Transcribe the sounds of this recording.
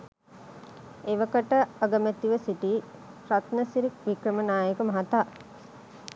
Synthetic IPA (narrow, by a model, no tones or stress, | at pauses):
eʋəkəʈəəɡəmæt̪ːiʋəsiʈiː | pɾat̪nəsiɾik̚ʋikɾəmənaːjəkəmɐɦɐt̪aː